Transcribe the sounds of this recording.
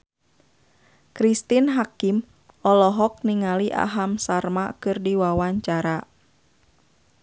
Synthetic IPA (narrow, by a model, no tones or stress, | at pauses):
kɾist̪inɦakim | ʔɔlɔɦɔk̚niŋaliʔa̰ɦamsarmakɨrdiwawaɲt͡ʃaɾa